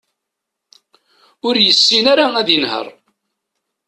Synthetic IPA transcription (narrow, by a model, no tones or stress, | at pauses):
ʊɾjəsːinaɾaæðjənhə̰rˤ